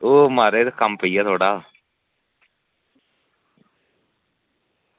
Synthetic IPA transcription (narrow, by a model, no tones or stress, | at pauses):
oːmaːɾeːd̪kəmpəiːaːt̪ʰoːɽaː